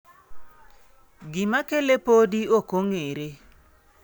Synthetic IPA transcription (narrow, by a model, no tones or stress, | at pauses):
ɡɪmakelepodiokoŋeɾe